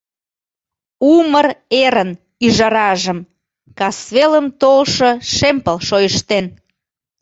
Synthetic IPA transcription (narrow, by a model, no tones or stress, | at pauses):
uməreɾən | yʒɑɾɑʒəm | kɑsβeləmt̪olʃəʃempəlʃojəʃt̪en